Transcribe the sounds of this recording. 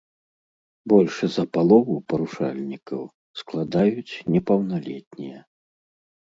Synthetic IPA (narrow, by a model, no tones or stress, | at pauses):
bɔlʲʂzɐpalˠɔvupɐɾuʂalʲnʲikɐw | sklˠad̪ajut͡sʲnʲɛpɐwnalʲɛt̪̚ʲnʲijɛ